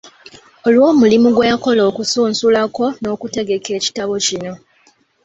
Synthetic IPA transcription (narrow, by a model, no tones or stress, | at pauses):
olwo̞ːmulimuɡwejako̞lo̞ːkusuːnsulako̞no̞ːkute̞ɡe̞ke̞ːci̥taβo̞cino̞